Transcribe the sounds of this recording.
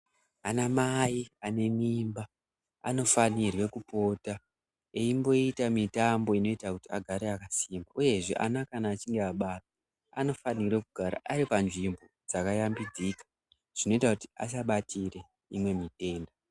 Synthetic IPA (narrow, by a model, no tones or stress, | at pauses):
anamaiane̞mimba | a̰no̞fanirwe̞kupo̞ːta | eimbo̞itamitambo̞ino̞itakutiaɡʱaɾeakasimbaʔuje̞ʐe̞̰ʔa̰nakanaːt͡ʃiŋɡeaɓata | ano̞fanirwe̞kuɡʱaɾa̰ʔaɾipanʐimbo̞d͡zakajambid͡zikḁ | ʐ̥ino̞itakuti̥a̰s̬aɓatʰire̞ | imwe̞mite̞ːnda